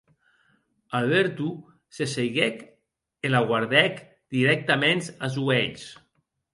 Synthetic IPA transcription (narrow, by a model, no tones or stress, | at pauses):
alβeɾt̪u | sesejɣek | elaɣwaɾðɛk | d̪̥iɾɛk̚t̪ament̪azueʎs